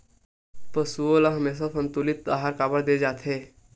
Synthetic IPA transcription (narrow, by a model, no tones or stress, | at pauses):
pəsuolaɦəmeːs̬afənt̪ulit̪̚ːaɦaɾkaːbəɽd̪eːd͡ʒaːt̪ʰe